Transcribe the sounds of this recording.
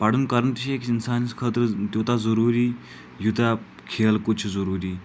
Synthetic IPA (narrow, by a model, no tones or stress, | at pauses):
paɽuːnkəɾənt̪iɕiekinsanskʰət̪ɾt̪jot̪ad͡zəɾuːɾiː | jut̪a | kʰelkut͡ʃʰd͡zəɾuːɾiː